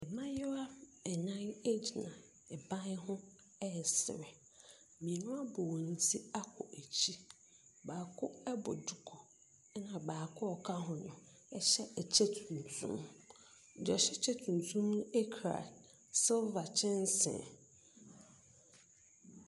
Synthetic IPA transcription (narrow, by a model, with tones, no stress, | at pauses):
ɛ˨mã˦jɛ˦a˦ɛ˨nã˦ne˦d͡ʑi˨nã˨ | ɛ˨bã˦n˦ɦʊ̃˦ | ɛ˦˨sɪ̰˨ɾɛ˨ | mĩ˨nʊ̃˦a˦bɔ˨wɔ̃˨n̩˨tʰi˦a˦kʰʊ̰˨ʔæ˨t͡ɕʰi˦ | baː˨kʰʊ˦ɛ˦bʊ̰˨du˨kʰɔ˨˦ | nã˨baː˨kʰʊ˦ɔ˨kʰa˦ɦʊ̃˨ɲʊ̃˨ | ɛ˦ɕɛ˦ɛ˨t͡ɕʰe˦tʰũ˨n˨tʰṵ̃˦m˨ | d͡ʒɔ˨ɕɛ˦t͡ɕʰɛ˦tʰũ˨n˨tʰũ˦mn˦ɛ˦kʰɾa̰˨ | sɪ˦lva˨t͡ɕʰɪ̃˦n˦sɪ̰̃˨